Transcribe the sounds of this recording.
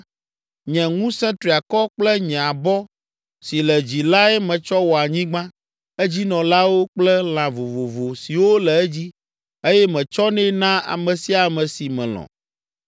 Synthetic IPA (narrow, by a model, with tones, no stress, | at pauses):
ɲɛ̃˨ŋũ˦sɛ̃˦t̪ɾi˨a˨kɔ˦k͡plɛ˦ɲɛ̃˨a˨bɔ˦ | si˨lɛ˨d͡ʑi˨la˦ɛ˦mɛ̃˨t͡ʃɔ˦wɔ˨a˨ɲĩ˦ɡ͡bã˦ | ɛ˦d͡ʑi˦nɔ̃˨la˦wo˦k͡plɛ˦l̃ã˨vo˨vo˨vo˨si˨wo˦lɛ˨ɛ˦d͡ʑi˦ | e˦jɛ˦mɛ̃˨t͡ʃɔ˦nɛ̃˦nã˦a̰˨mɛ̃˨si˦a˨mɛ̃˨si˨mɛ̃˨l̃ɔ̰̃˨